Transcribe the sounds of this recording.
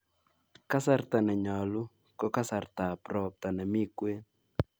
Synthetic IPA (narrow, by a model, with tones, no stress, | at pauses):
ka˦sa˦rt̪a˨nɛ˨ɲɔ˨lʊ˦ | kɔ˦ka˦sa˨rt̪a˨pɾɔ˨p̚t̪a˨nɛ˨mɪ˦kwe˦n